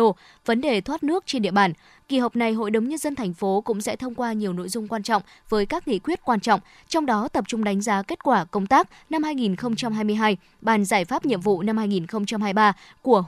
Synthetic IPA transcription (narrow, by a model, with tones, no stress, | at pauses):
və˨˦nɗe˨˩t̪ʰwa˦˥t̚nɨ˦˥ək̚t͡ɕe˧nɗḭ˧əɓaː˧˩n | ki˨˩ɦə˨˩wk͡p̚na˨˩jɦo̰˧˨jɗə˨˦ŋ͡mɲə˧nzə˧nt̪ʰɛ˨˩jŋ̟fo˨˦kʊ̰˧˥ŋ͡msɛ̰˧˥t̪ʰə˧wŋ͡mkwaː˧ɲi˨˩əwno̰˧˥jzʊ˧ŋ͡mkwaː˧nt͡ɕɔ̰˧˨wŋ͡m | vəː˨˦jkaː˦˥k̚ŋḭ˧˨kwi˦˥ət̚kwaː˧nt͡ɕɔ̰˧˨wŋ͡m | t͡ɕɔ˧wŋ͡mɗɔ˨˦t̪ə˨˩p̚t͡ɕʊ˧ŋ͡mɗa˨˦jŋ̟zaː˨˦ke˦˥t̚kwaː˧˩kə˧wŋ͡mt̪aː˦˥k̚ | na˧mhaː˧jŋi˨˩nxə˧wŋ͡mt͡ɕa˧mɦaː˧jmɨ˧əjɦaː˧j | ɓaː˨˩nzaː˧˩jfaː˦˥p̚ɲḭ˧əmvṵ˧˨na˧mhaː˧jŋi˨˩nxə˧wŋ͡mt͡ɕa˧mhaː˧jɓaː˧ | ku˧˩ə